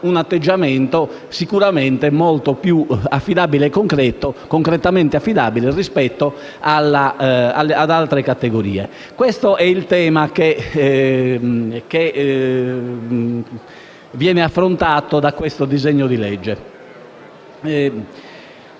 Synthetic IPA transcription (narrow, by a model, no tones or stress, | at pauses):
unat̪ːed͡ʒːamɛnt̪o | sikuɾamɛnt̪ɛmɔlt̪opjuafːiðaːbileːkːoŋkɾɛt̪okoŋkɾɛt̪amɛnt̪eafːiðaːbilerispɛt̪ːɔ | alːaa̰lːead̪alt̪ɾɛkat̪ːeɣoɾḭːɛ | kwɛst̪ɔʔɛilt̪ɛːmake | kːe | vjɛːnɛafːɾont̪aːt̪od̪akwɛst̪od̪izeɲːod̪ilɛd͡ʒːɛ